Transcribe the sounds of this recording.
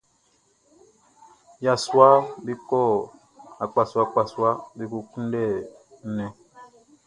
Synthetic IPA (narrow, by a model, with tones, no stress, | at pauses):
ja˨swa˦bi˦kɔ˦˨ | a˨k͡pa˨swa˦k͡pa˨swa˦bi˦ku˦ku˦n˦dɛ˦˨˦ | nɛ̃˨